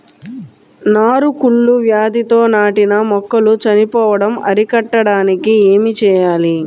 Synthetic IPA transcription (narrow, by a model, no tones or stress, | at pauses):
naːɾukuɭːuʋjaːd̪it̪o̞ːnaːʈinɐmɔkːɐlut͡ʃɐnipɔːʋɐɽɐmɐɾikɐʈːɐɽaːnikieːmit͡ʃɛːjaːli